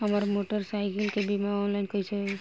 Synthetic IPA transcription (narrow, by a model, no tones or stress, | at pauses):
amaɾmoʈɔɾsajkilkebimaɔnlajnkɔjsɛ